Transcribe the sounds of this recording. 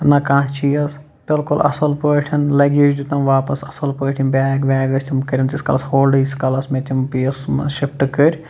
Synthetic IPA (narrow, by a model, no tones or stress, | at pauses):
nɐkãːt͡ʃʰijɐs | b̥ɪlkulʔɐ̰sɐlpəːʈʰɐnlɐɡiɾʲd͡ʒut̪ɐmʋaːpɐsɐsɐlpəːʈʰinbʲaːɡʋʲaːɡɐsʲt̪ʲimkɐɾʲint̪isʲkɐlɐshoːlɖɨsʲkɐlɐsmet̪ʲimpiːsʃipʈɨkəɾʲ